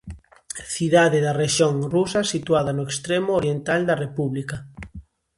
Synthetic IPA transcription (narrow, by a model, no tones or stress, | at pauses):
θiðaðeðareʃjoŋrusɐsit̪uaðɐnoekst̪ɾemooɾjent̪ald̪ɐrepuβlika